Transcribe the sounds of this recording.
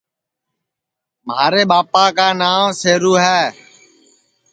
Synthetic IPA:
mɦaːɾeːɓaːpaːkaːnaːmseːɾuːɦɛː

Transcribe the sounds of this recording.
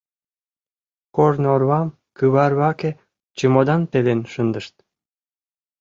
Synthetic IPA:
kornorβɑm | kɯβɑrβɑke | t͡ɕəmod̪ɑnt̪elenʃənd̪əʃt̪̚

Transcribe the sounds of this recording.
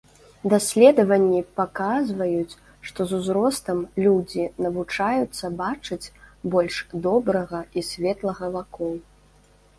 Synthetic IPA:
d̪asʲlʲɛd̪ɐvɐnʲːipakazvɐjut͡sʲ | ʂt̪ɔzuzɾɔst̪ɐmlʲud͡zʲinɐvut͡ʂajut̪sːɐbat͡ʂɨt͡sʲbɔlʲʂd̪ɔbɾɐɣɐisʲvʲɛt̪lˠɐɣɐvakɔw

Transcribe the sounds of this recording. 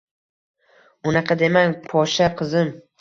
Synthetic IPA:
ʊnɑqʰɑd̪e̞maŋʲpʰɒʃaqʰɨzɪm

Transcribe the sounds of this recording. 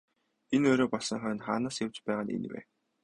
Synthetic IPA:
enɵɾoːpɔɮsɞ̆ŋχœːnt̪χaːnaːsjawt͡ɕpæːʁaːnḛnwḛː

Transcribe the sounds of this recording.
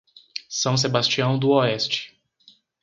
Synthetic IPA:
sɐ̃w̃s̬ebast͡ʃiɐ̃w̃d̪ʊɔɛst͡ʃɪ̥

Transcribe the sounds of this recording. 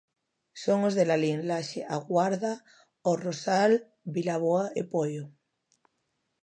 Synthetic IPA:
soŋozðelalinlaʃeʔaɣwaɾða | orosal | bilaβoaepojo

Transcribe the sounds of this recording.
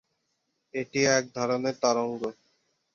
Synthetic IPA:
eʈiɛk̚d̪ʱɔɾoneɾt̪aɾoŋɡo

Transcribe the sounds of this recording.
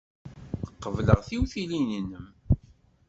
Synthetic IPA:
əqːəvləʁθiwθilininəm

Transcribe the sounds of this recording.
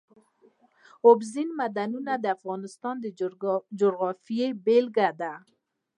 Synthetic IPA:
obzinmad̪anunad̪əafɣɑnɪst̪ɑnd̪əd͡ʒoɾɣɑfijebelɡad̪a

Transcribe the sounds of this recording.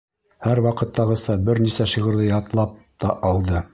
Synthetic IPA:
hæɾwɑqɤ̆t̪ːɑʁɤ̆sɑbɘɾnisæʃiʁɤ̆ɾðɤjɑt̪lˠɑp̚ | t̪ɑʔɑlˠd̪ɤ

